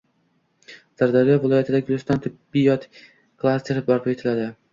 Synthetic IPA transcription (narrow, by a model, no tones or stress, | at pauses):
z̥aɾd̪aɾijavɪlˠɒjat̪ʰɪd̪aɡʊlʲɪst̪ant̪ʰʊbːijɒt̪ | klˠasʲt̪ʲeɾɪbɒɾpʰet̪ʰɪlad̪ɪ